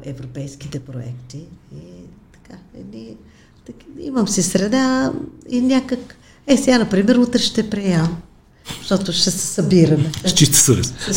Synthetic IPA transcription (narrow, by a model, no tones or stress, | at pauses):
ɛvɾopɛjsk̟i̥t̪ɛpɾoɛ̰kt̪iit̪ɐ̥kaɛ̰d̪ni | t̪kḭməmsisɾɛd̪ainʲakək | ɛsɛɡanɐpɾimɛɾut̪ɾɛʃt̪ɛpɾiɛm | ʃt̪ɔt̪ʊʃt̪ɛsɛ̥sɐbiɾɐmɛst͡ʃist̪ə̥səvɛ̰s